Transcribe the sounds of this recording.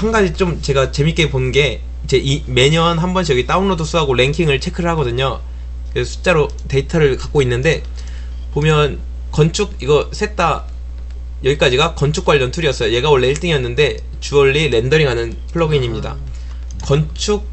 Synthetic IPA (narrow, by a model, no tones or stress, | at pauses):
haŋɡad͡ʑit͡ɕ͈omt͡ɕe̞ɡat͡ɕe̞mik͈e̞ponɯnɡe̞ | t͡ɕe̞ʔime̞ɲʌnɦambʌnɕʰijʌɡit͈aumnodosʰuɦaɡoɭe̞ŋkʰiŋɯɭt͡ɕʰe̞kʰɯɾɯɭɦhaɡʌdɯɲo | kɯesʰu̥t͡ɕ͈aɾo | te̞itʰaɾɯɭkak͈oinːɯnde̞ | pomjʌn | kʌnt͡ɕʰuɡ̚iɡʌs͈ʰe̞t͈a | jʌɡik͈ad͡ʑiɡakʌnt͡ɕʰuk͈waʎːʌntʰuɾiʌs͈ʌjoje̞ɡaoɭːeiɭt͈ʰiŋijʌnːɯnde̞ | t͡ɕuʌɭːiɾe̞ndʌɾiŋɦanɯn | pʰɯɭːoɡiɲimɲida̰ | kʌnt͡ɕʰuk̚